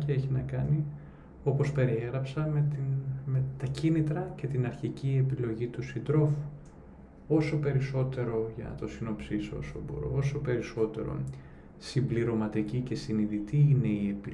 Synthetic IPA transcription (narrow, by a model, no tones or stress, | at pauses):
t̪ieçinɐkɐni | o̞po̞spe̞ɾieɣɾɐpsɐmet̪inmet̪ɐcinit̪ɾɐce̞t̪inɐɾçicie̞pilo̞ʝit̪usind̪ɾo̞fu̥ | o̞so̞pe̞ɾiso̞t̪e̞ɾo̞ʝɐ̰t̪o̞sino̞psiso̰so̰bo̰ɾo̰o̞so̞pe̞ɾiso̞t̪e̞̰ɾo̰ | simbliɾo̞mɐt̪icice̞siniðit̪iine̞ie̞pi